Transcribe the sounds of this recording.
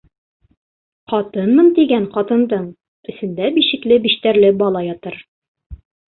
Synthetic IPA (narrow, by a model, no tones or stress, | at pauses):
qɒt̪ɤnmɤnt̪iɡæɴqɒt̪ɤ̆nd̪ɤɴ | ɘ̆sɘ̆nd̪æbiʃɘ̆klɘbiʃt̪æɾlɘbɒlˠɑjɒt̪ɤɾ